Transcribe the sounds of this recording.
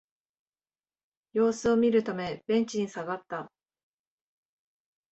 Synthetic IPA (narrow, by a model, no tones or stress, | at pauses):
jo̞ːsɨo̞mʲiɾɯ̟t̪ame̞b̥ẽ̞ɲ̟t͡ɕiɲ̟isaɡat̪ːa